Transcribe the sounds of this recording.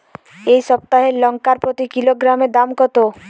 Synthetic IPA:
ejsɔp̚t̪aɦelɔŋkaɾpɾɔt̪ikiloɡɾamed̪amkɔt̪o

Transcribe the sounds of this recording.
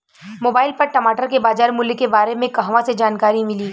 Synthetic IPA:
moːbaːɪlpɐɾʈɐmaːʈəɾkebaːd͡ʒaːɾmʊlkebaːɾemẽkɐɦʋãsed͡ʒaːnkaːɾimɪliː

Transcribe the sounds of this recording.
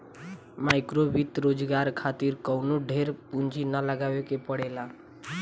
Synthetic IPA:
majkɾobit̪ɾod͡ʒɡaɾkʰat̪iɾkəwnoɖʱeɾpund͡ʒinələɡawekepəɽela

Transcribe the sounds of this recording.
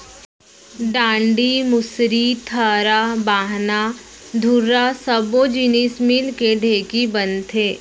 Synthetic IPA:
ɖãːɳɖimʊsɾit̪ʰəːɾabaːɦna | d̪ʱuɾasəbod͡ʒiniːsmiːlkeɖʱeːkibənt̪ʰɦeː

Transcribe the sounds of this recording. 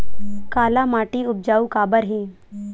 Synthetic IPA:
kaːlamaːʈiːʊp̚d͡ʒaːukaːbəɾɦẽ

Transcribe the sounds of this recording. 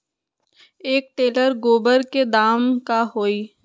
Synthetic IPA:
eːk̚ʈeːləɾɡoːbəɾked̪aːmkaɦoːiː

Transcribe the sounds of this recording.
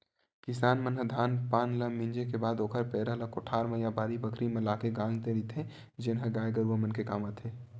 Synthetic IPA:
kɪsaːnmənɦəd̪ʱaːnpaːnləmĩnd͡ʒekebaːd̪oːkʰəɾpɛːɾaləkoʈʰaːɾmə̃jabaːɾibəkʰɾimẽlaːkeɡãːŋɡt̪ẽɾit̪ʰẽ | d͡ʒɪnɦə̃ɡaːjɡəɾuəmənkekaːmət̪ɦeː

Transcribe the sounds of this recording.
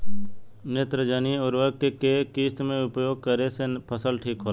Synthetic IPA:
net̪ɾəd͡ʒaniɔːɾʋəɾɡkekekiːst̪mẽʊpjoːɡ̚kəɾesepʰəsəlʈʰiːkɦoːl

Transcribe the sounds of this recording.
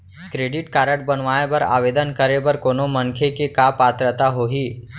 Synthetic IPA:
kɾeːɖɪʈkaːɾəʈ̚bənʋaːebəɾa̰ːʋeːd̪ənkəɾebɐɾkoːnomɐ̃ŋkʰekekapaːt̪ɾət̪aɦoɦiː

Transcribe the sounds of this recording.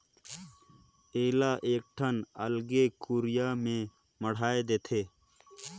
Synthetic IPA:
eːlaːʔeːk̚ʈʰɐnɐlɡekuːɾijaːmẽ | məɽ̤aːed̪eːt̪ʰeː

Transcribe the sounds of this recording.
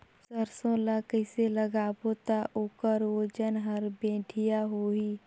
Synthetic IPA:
səɾsõlakəɪseləɡaːbot̪aʔoːkəɾod͡ʒənɦəɾbẽːʈʰɪjaɦoːiː

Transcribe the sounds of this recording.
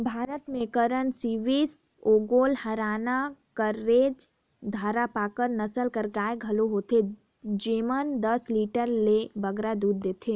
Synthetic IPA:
bʱaːɾət̪mẽkəɾənsiʋiːs | oːɡoːlhɐɾaːnakəɾːeːd͡ʒ | d̪ʱaːɾapaːkəɾnɐsəlkəɾɡaːeɡʱɐloɦoːt̪ʰe | d͡ʒeːmənd̪ɐsliːʈəɾlebɐɡɾad̪uːɾd̪eːt̪ʰeː

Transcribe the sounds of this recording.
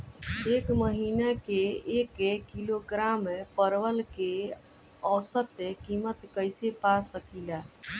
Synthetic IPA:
ekməɦinakeekekːiloɡɾamːepəɾʋəlke | əsət̪ekimət̪kəjsepasəkila

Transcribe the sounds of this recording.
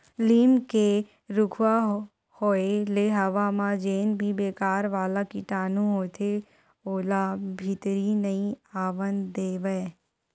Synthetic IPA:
liːmke | ɾʊkʰwa | hoːeleɦəʋaːmãd͡ʒeːnbʱibeːkaːɾʋaːlakiʈaːnũɦoːt̪ʰe | oːlabʱit̪ɾinəĩaːʋənd̪eːʋəe

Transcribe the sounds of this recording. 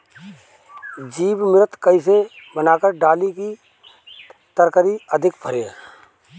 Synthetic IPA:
d͡ʒiːbmɪɾət̪kəĩs̬ebənaːkəɾɖaːliki | t̪əɾkəɾiəd̪ʱɪkpʰəɾeː

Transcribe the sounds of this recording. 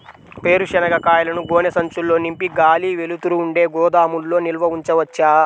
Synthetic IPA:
pe̞ːɾuʂɐnɐɡɐkaːjɐlɐnuɡɔːnɐsɐɲt͡ʃulːo̞ːnimpiɡaːliːʋelut̪uɾuːɳɖe̞ːɡɔːd̪aːmulːo̞ːnilʋɐuɲt͡ʃɐʋɐt͡ʃːaː

